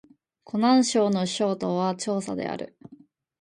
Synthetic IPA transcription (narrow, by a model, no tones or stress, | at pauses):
kʰo̞nãɰ̃ɕo̞ːno̞ɕo̞ːt̪oβat͡ɕo̞ːsa̰d̪e̞̰a̰ɾɯ̟̰